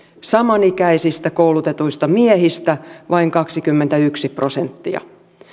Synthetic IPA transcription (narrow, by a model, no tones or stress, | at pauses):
sɑmɑnikæisist̪ækoulut̪e̞t̪uist̪ɑmiehist̪æʋʔɑiŋkɑksikymːent̪æyksipro̞sent̪ːiɑ̰